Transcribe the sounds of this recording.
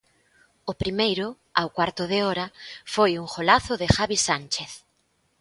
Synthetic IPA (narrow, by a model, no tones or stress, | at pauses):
ʊpɾimejɾʊ | awkwaɾt̪ʊðɪɔɾɐfojuŋxolaθʊðɪxaβisant͡ʃeθ